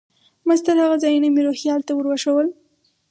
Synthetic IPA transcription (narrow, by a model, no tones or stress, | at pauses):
mazt̪əɾhaɣazɑjunameɾoxjɑlt̪awəɾwaʃawəl